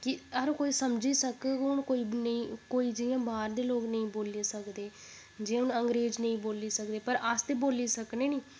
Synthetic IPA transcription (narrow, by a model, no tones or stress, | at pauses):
kɪəɾkoːiːsəmd͡ʒiːsəkkʊnkoːiːnəĩːkoːiːd͡ʒɪjãːbaːɾd̪eːloːknəĩːboːleːsəkd̪eː | d͡ʒeːʊnəŋɡɾeːd͡ʒnəĩːboːliːsək̚d̪eːpəɾəst̪eːboːliːsəkneːniː